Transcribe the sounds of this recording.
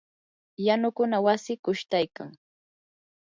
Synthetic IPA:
janʊkʊnawasɪkʊʃt̪ajkaŋ

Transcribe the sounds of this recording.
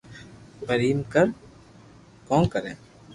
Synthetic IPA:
ɡəɾiːmkəɾ | kɔ̃ːkəɾẽː

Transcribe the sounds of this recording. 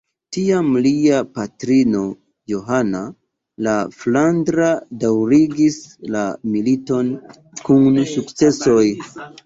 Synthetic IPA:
tiamliapatɾino̞ | jo̞ɦana | laflandɾadawɾiɡislamilito̞n | kunsukt͡se̞so̞j

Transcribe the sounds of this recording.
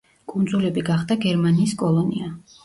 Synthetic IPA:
kʼund̪zulɛbiɡaχd̪aɡɛɾmaniːskʼɔlˠɔnḭa

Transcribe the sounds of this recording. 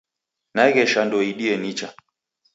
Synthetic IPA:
naɛɣɛʃandɔiɗiɛnit͡ʃa

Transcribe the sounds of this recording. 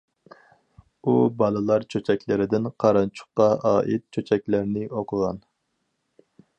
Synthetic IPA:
ubɑlˠɨlˠɑɾt͡ʃʰøt͡ʃʰɛkʲlɪɾɪd̪ɪnqʰɑɾɑnt͡ʃʰʊ̥χqɑɑːʔit̪̚t͡ʃʰøt͡ʃʰɛkʲlɪɾnɪʔoqʰəʁɑn

